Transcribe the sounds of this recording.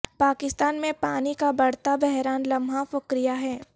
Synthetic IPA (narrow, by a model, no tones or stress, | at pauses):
paːkɪst̪aːnmẽpaːnikabɐɽ̤t̪abɛɦɾaːnlɐmʱafʊkɾijaɦɛː